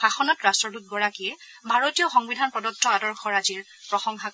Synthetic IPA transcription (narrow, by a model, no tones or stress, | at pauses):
axɔnɔtɹastɹɔdut̚ɡɔɹakiɛ | bʱaɹotijɔxɔŋbidʱanpɔdɔtʰːɔadɔɹxɔɹaziɹ | pɹɔxɔŋxa